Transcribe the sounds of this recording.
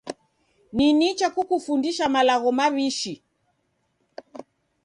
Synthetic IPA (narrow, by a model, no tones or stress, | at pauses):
ninit͡ʃakukufundiʃamalaɣɔmaβiʃi